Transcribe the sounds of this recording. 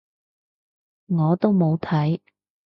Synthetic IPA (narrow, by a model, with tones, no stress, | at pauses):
ŋɔː˨˧t̪o˥wmo˨˧wt̪ʰɐ˨˥j